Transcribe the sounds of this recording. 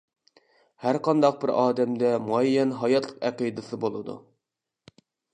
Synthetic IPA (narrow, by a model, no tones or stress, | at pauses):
hæɾqʰɑnd̪ɑq̚bɪɾɑːd̪ɛmd̪ɛmuɛjːɛnɦɑjɑt̪ʰlˠəqæqid̪ɨsɨbolˠɨd̪ṵ